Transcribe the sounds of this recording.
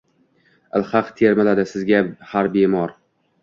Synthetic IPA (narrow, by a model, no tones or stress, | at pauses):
ɪ̰lˠhaqt̪ʰeɾmɪlad̪ɪsɪzɡʲahaɾbemɒɾ